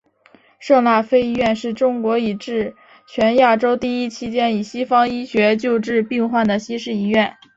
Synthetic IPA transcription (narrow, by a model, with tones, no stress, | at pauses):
ʂɤ˥˧ŋla˥˩fe˥ɪi˥ɥɛ˥˧nʂɻ̩˥˩ʈ͡ʂʊ˥ŋkwɔ˧˥i˨˩ʈ͡ʂɻ̩˥˩ | t͡ɕʰɥɛ˧˥nja˥˩ʈ͡ʂo˥ʊt̪i˥˩i˥t͡ɕʰi˥t͡ɕjɛ˥ni˨˩ɕi˥fɑ˥ŋi˥ɕɥɛ˧˥t͡ɕjo˥˧ʊʈ͡ʂɻ̩˥˧pi˥˧ŋxwa˥˩nd̪ə˩ɕi˥ʂɻ̩˥˩˧i˥ɥɛ˥˩n